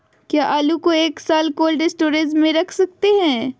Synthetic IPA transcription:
kjaːʔaːlukoeːksaːlkoːlɖɪsʈoːɾezmːẽɾɐkʰsɐk̚t̪eɦɛ̃ː

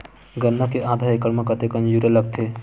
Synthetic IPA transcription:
ɡənːəkeʔad̪ʱaekəɾmekət̪ekənd͡ʒuɾələɡ̚t̪ʰe

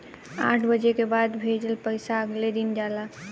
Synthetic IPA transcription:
a̰ːʈʰbəd͡ʒekebaːd̪bʱeːd͡ʒəlpəɪsaɐɡled̪ɪnd͡ʒaːla

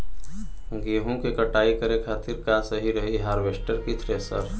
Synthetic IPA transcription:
ɡeːɦõkekəʈaːikəɾekʰaːt̪ɪɾkasəɦiɾɐɦiɦaːɾʋeːsʈəɾkit̪ʰɾeːsəɾ

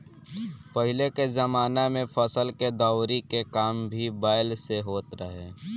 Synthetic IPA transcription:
pəɦɪlekezəmaːnemẽfʰəsəlked̪aːʊɾikekaːmbʱibaːɪlseɦoːt̪ɾəɦeː

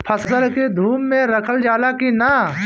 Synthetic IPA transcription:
pʰɐsəsəlked̪ʱuːmːẽɾɐkʰəld͡ʒaːlakina

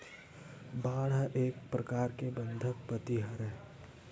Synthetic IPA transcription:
baːɽ̤ʔeːkpɾɐkaːɾkebə̃nd̪ʱək̚pət̪iɦəɾɛː

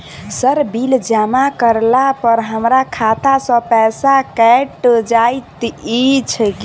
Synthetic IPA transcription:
səɾbild͡ʒamakəɾlapəɾɦəmɾakʰat̪asə̃pɛsakɛʈd͡ʒajt̪it͡ʃʰək

